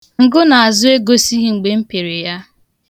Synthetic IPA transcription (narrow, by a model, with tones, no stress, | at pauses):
ŋ̩˨ɡʊ˦na˨a˨zʊ˦e˦ɡo˦si˦ɦi˨ŋ͡m̩˨ɡ͡be˨m̩˦pe˨ɾe˨ja˦